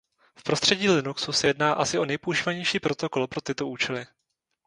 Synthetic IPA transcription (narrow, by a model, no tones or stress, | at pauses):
fpɾo̞st̪r̝̥ɛɟiːlɪnuksusɛjɛdnaːʔasɪo̞nɛjpouʒiːvaɲɛjʃiːpɾo̞t̪o̞ko̞lpɾo̞t̪ɪt̪o̞uːt͡ʃɛlɪ